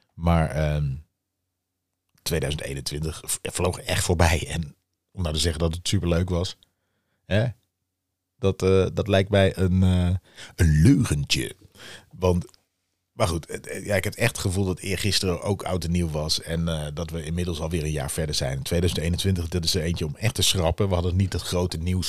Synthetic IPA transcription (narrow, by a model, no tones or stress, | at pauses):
maːɹəː | tʋejdœɥzəntḛjnəntʋɪntəχflowχɛ̰χtfoːɹbɛjɛn | ɔmdatəzɛχəndɑtətsypəɹløɥkʋɑs | ɦɛ | d̥ɑtədɑtlɛjk̚tmɛjʔənəənløːχəntə̰ʋɑnt | maɹχutjaɪkɦɛpɛχttχəvulˠdɑtʰɪːɹχɪstərəʔo̰wkʰa̰wtəniwʋɑsɛndɑtʋəɪnmɪdəlˠsɑlˠʋɪːɹənja̰ːɹfɛɹdəɹz̥ɛjntʋejdœɥzəntejnəntʋɪntəχdɑtɪsəejnt͡ʃəɔmɛχtəsrɑpəʋəɦɑdənit̚dɑtχrowtəniws